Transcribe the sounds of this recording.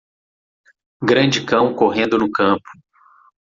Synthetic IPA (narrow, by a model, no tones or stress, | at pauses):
ɡɾɐ̃d͡ʒɪkɐ̃w̃koɦẽnd̪ʊnʊkɐ̃pʊ̥